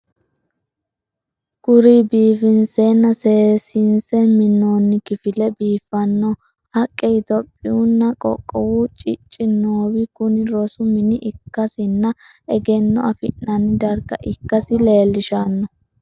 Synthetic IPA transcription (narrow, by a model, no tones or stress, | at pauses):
ɡ̥ʊɾibiːfɪnseːnːɐseːsɪnsɛmɪnːoːnːɪkɪfɪlɛbiːfːɐnːɔ | hɐkʼːɛjt̪ɔpʼːɪunːɐkʼɔ̰kʼːɔwut͡ʃʼɪt͡ʃʼːɪnːoːwɪkʊnɪɾɔsʊmɪnɪʔɪkːɐsɪnːɐ | ɛɡɛnːɔɐfɪnːɐnɪd̪ɐɾɡɐ̰ʔɪkːɐsɪle̞ːlːɪʃanːɔ